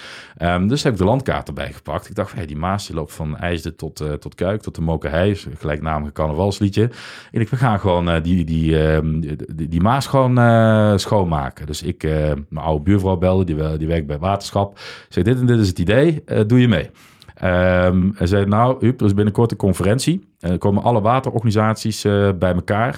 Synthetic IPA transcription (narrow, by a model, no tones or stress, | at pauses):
ʔəmdɵsɦɛbɪɡ̚dəlɑntka̰ːɹtəɹbɛ̰jχə̥pɑ̰k̚tɪɡ̚dɑxtfnjadimaːsəlowptfɑnɛ̰jzdətʰɔttɔtkœɥk̚tɔtəmowkəɦɛjχəlɛjknaːməɣəkɑɹnəvɑlˠslitəɪnɪkʋəɣaːnχəʋowndidi | dimaːsxʋownəsxownma̰ːkədɵsɪkəmənɑ̰wdəbyːɹvrɔwbɛlˠdədidiʋɛrk̚bɛjʋaːtə̥ɹ̥sxɑpsɛxdɪtɛndɪtɪs̬ətidejədujəmej | ʔəmɛzɛjdnawyp̚dərɪzbɪnəkɔɹtənkɔnfərɛnsi | ndəkowmənʔɑləʋaːtərɔ̰ɹχanizaːtsisəbɛjməkaːr